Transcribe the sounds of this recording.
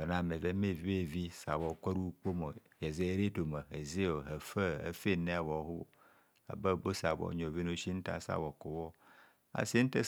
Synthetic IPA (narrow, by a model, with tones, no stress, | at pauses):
ɔ˨nã˨me˨ve˦me˦˨vi˦be˦˨vi˦sa˨bɔ˨ka˦ɾu˦k͡po˦mo˨je˨ze˦ɾe˦to˨me˨ɦe˨ze˦o˨ɦe˨fe˦ḛ˨fe˦nẽ˦a˨wɔ˨˦ɦʊ˦o̰˨ | a̰˨bə˦˨bo˦sa˨bɔ̰˦ɲo˨vi˦nõ˦ʃi˦n̩˦ta̰˦sa̰˦˨wɔ˨ko˨wɔ˦ | a̰˨si˦n̩˦te˦